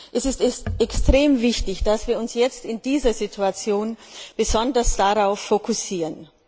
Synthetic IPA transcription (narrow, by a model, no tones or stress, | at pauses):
ʔɛsɪstɛsɛkstʁ̥eːmvɪçtɪçd̥asv̥iːɐʊnsjɛt͡stɪndiːzɐzitʰuat͡sjoːnb̥əzɔndɐsd̥aʁaʊfːokʰʊsiːʁən